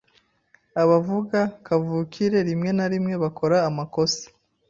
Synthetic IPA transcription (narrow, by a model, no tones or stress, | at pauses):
aβavuɡakavuːkʰiɾe̞ɾimŋe̞naɾimŋe̞βakʰo̞ɾaːmako̞se̥